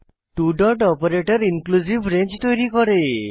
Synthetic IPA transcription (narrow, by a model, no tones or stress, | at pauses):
ʈuɖɔɾʈɔpɔɾeʈɔɾiŋkluzibʱɾent͡ʃt̪ɔjɾikɔɾe